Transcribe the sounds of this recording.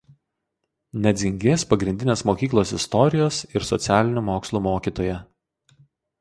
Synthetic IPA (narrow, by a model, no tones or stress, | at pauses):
nʲɛd̪zʲɪŋʲɡʲeːspɐɡɾʲɪnʲd̪ʲɪnʲeːsmoːkʲiːklˠoːsɪst̪ɔɾʲɪjoːsɪɾsɔt̪sʲæːlʲɪnʲumoːkslˠuːmoːkʲiːt̪oːjɛ